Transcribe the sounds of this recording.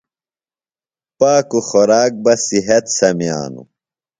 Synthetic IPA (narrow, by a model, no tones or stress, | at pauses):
paːkuxoɾaːk̚bɐsiɦɐt̪sɐmja̰ːnṵ